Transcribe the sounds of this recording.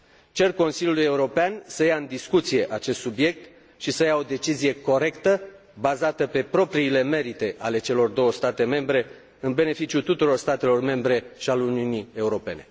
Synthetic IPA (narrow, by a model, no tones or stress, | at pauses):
t͡ʃe̞rko̞nsiljulujeuɾo̞peansəjaɨnd̪iskut̪sije̞ʔat͡ʃe̞st̪subje̞k̚t̪ | ʃisəjao̞d̪e̞t͡ʃizije̞ko̞ɾe̞kt̪ə | bazat̪əpe̞pɾo̞pɾiːle̞me̞ɾit̪e̞ʔale̞t͡ʃe̞lo̞rd̪o̞wəst̪at̪e̞me̞mbɾe̞ | ɨnbe̞ne̞fit͡ʃijut̪ut̪uɾo̞rst̪at̪e̞lo̞rme̞mbɾe̞ʃialuniunie̞uɾo̞pe̞ne̞